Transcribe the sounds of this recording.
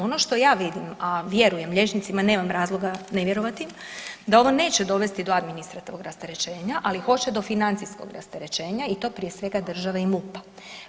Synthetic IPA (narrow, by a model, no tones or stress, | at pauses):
o̞no̞ʃt̪o̞jaːʋid̪imaʋje̞ɾuje̞mʎe̞t͡ʃnit̪simane̞ːmamɾaːzlˠoɡaneʋjeɾo̞ʋat̪im | d̪ao̞ʋo̞ne̞ːt͡ɕed̪o̞ʋe̞st̪id̪o̞ad̪minist̪ɾat̪iʋoɡɾast̪eɾe̞t͡ʃe̞ːɲaʔalixo̞t͡ɕe̞d̪o̞finant̪siskoɡɾa̰st̪eɾe̞t͡ʃe̞ːɲait̪o̞ːpɾije̞sʋe̞ɡad̪r̩ʒaʋaimupḁ